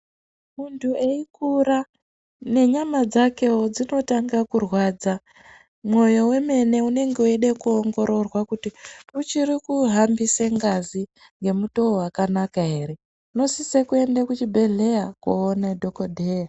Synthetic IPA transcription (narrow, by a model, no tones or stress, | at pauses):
muntʰue̞ikuɾa | ne̞ɲamad͡zake̞wod͡zino̞taŋɡakurwaːd͡za | mwo̞jo̞we̞me̞ne̞une̞ŋɡeueɗekuoŋɡo̞ɾʔo̞rwakutiut͡ʃirikuɦambiseŋɡazi | ŋɡe̞mutoowakanakaɦe̞ːɾe̞ | uno̞sisekue̞ndekut͡ʃibʱe̞ɮe̞jakwo̰ːnedʱokodʱeja